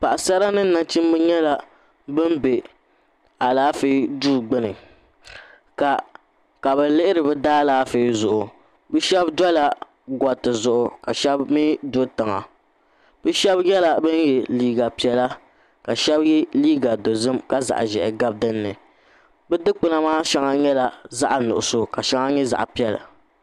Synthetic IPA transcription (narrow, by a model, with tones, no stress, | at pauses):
pa˨ʔa˨sa˦ɾa˦nɨ˦nːa˨t͡ʃi˦m˦bɨ˦ɲɛ˦la˦ | bɨ˦mbe˨ | a˨laː˦fi˦duː˦˨ɡ͡bɨ˦nɨ˨ | ka˨ | ka˨bɨ˨lɨ˦ʔɪ˦ɾɨ˨bɨ˦daː˦laː˨˦fi˨˦zʊ˨ʔʊ˨ | bɨ˦ʃɛ˦bdɔ˦la˦ | ɡɔ˨tɨ˨zʊ˦ʔʊ˨ka˨ʃɛ˦bmi˦do˦tɨ˨ŋa̰˨ | bɨ˦ʃɛ˦bjɛ˦la˨bɨ˦njɛ˨liː˦ɡa˨pi˨˦ɛ˦la˦ | ka˨ʃɛ˦bjɛ˦liː˦ɡa˨do˨zɨ˦mka˦za̰˨ʔʒɛ̰˨ʔɪ˨ɡa˦b̚dɨ˦nːɨ˨ | bɛ˦dɨ˦k͡pɨ˦na˦maː˦ʃɛ˦ŋa˦ɲɛ˦la˨za˦ʔa˨nʊ̰˨ʔʊ˨so˦ka˨ʃɛ˦ŋa˦ɲɛ˦za̰˨ʔpi˦ɛ˦la̰˨